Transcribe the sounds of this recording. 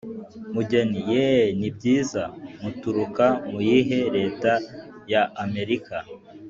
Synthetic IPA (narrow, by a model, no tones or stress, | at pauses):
muɟenijenib̚ɟiːzamutuɾukamujiɦe̞ɾe̞ːtajaːme̞ɾika